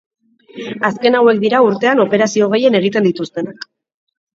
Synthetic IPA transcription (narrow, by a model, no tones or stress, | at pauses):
aske̞nawe̞k̚d̪iɾauɾt̪e̞ano̞pe̞ɾasio̞ɣe̞jene̞ɣ̞it̪e̞nd̪it̪ust̪e̞nak